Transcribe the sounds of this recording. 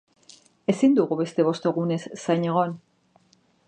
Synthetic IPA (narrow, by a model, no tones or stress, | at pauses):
e̞sind̪uɣuβe̞st̪e̞βo̞st̪o̞ɣune̞sːaɲeɣ̞o̞n